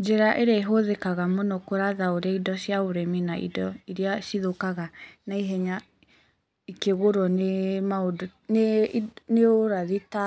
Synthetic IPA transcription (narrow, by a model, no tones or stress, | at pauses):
d͡ʒɛɾaʔeɾeːɦoðekaɣamonɔkoɾaðaoɾaidɔʃjaoɾɛminaḭdɔiɾiaʃiðokaɣanaiɦɛɲa | ikeɣoɾɔnemaodoneneoɾaðita